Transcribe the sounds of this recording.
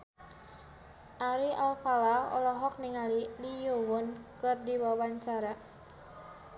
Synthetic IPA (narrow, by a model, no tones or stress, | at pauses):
ʔaɾiʔalfalaɔ̰lɔɦɔk̚niŋalilijowʊnkɨrdiwawaɲt͡ʃaɾa